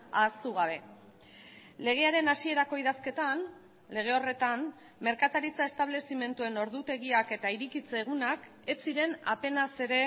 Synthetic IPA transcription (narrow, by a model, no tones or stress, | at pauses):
aːst̪uɣ̞aβ̞e̞ | le̞ɣ̞e̞aɾe̞nasie̞ɾako̞iðaske̞t̪an | le̞ɣ̞e̞o̞re̞t̪an | me̞ɾkat̪aɾit͡sae̞st̪aβ̞le̞sime̞nt̪ue̞no̞ɾðut̪e̞ɣiake̞t̪aiɾikit͡se̞ːɣ̞unak | e̞t͡siɾe̞nape̞nase̞ɾe̞